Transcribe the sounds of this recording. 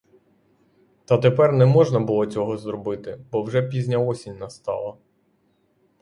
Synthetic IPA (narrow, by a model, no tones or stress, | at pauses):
t̪ɐt̪epɛrnɛmɔʒnɐbʊlˠɔt͡sʲɔɦɔzɾɔbɪt̪ɪbɔwʒɛpʲizʲnʲɐɔsʲinʲnɐst̪ɑ̰lˠɐ